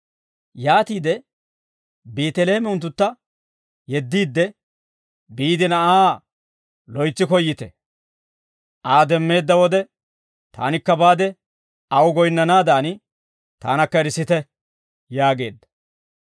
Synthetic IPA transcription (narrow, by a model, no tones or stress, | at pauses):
jaːt̪iːd̪ɛ | beːt̪ɛleːmɛʊnt̪ːʊt̪ːɐ | jɛd̪ːiːd̪ːɛ | biːd̪ɪnɐʔaː | lɔjt͡sːɪkɔjːɪt̪ɛ | ʔaːd̪ɛmːe̞ːd̪ːɐwɔd̪ɛ | t̪a̰ːnɪkːɐbaːd̪ɛ | ɐwʊɡɔjnːɐnaːd̪aːnɪ | t̪a̰ːnɐkːɐɛɾɪsːɪt̪ɛ | jaːɡe̞̰ːd̪ːɐ̥